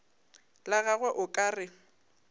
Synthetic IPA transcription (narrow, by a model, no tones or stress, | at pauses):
laɣaɣwɛʔʊkʼaːrɪ